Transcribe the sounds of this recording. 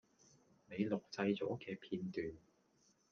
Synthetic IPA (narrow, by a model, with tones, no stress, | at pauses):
ne˨˧jlʊ˨k̚t͡sɐ˧jt͡sɔː˨˥kɛː˧pʰiː˧nt̪yː˨n